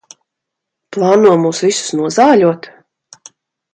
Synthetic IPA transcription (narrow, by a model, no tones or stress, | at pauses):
plˠɑːnuɔmuːsvisu̥snuɔzaːʎuɔt̪